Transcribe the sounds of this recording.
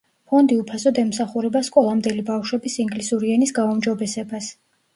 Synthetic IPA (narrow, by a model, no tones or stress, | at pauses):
pʰɔnd̪iupʰasɔd̪ɛmsaχuɾɛbaskʼɔlˠamd̪ɛlibafʃwɛbisiŋɡlisuɾiɛnisɡaumd͡ʒɔbɛsɛbas